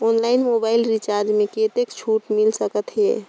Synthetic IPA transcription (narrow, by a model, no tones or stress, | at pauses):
onlainmobailɾit͡ʃaɾd͡ʒmeket̪ekt͡ʃʰuʈmilsəkət̪ɦḛ